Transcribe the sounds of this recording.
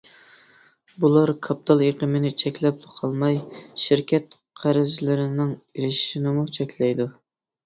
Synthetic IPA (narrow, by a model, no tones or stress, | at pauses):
bulˠɑɾkʰɑp̚t̪ʰɑlˠeqəmɪnɪt͡ʃʰɛkʲlɛp̚d̪qʰɑlˠmɑjʃiɾkʲʰɛt̪ | qʰæɾɪzlɪɾɪnɪŋiɾɪʃi̥ʃinɪmut͡ʃʰɛkʲlɛjd̪u